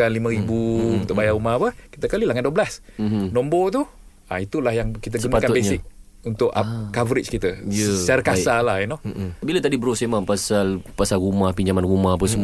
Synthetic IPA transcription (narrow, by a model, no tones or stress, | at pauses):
anlimə̃ɾibuunt̪ʊʔbajaɾumapəki̥t̪əkalilaŋanduəblasm̩nɔ̃mbɔt̪̬u | ait̪ulahjaŋkit̪̬əɡsuənpatkaʊbesɲaɪk̚ | unt̪ʊʔakavəɾɪt͡ʃkit̪əjəsaɾəkasalahɛnɔbilat̪adibəɾosamaŋpasalpasalɾumahpiɲd͡ʒamanrumahap̬əsəmu